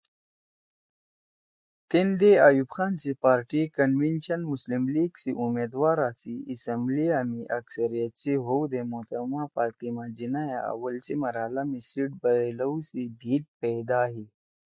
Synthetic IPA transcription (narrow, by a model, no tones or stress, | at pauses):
t̪end̪eajubxaːnsipaːɾʈikənʋenɕənmuslimliːɡsiʔumed̪ʋaɾasiʔisəmbliamiʔəksəɾijət̪̚t͡siɦowd̪emot̪əmapaɾt̪imad͡ʑinajaa̰ʋəlt͡simɐɾalamisiʈ̚bələwsib̪ʱiːʈ̚pɛjd̪aːɦi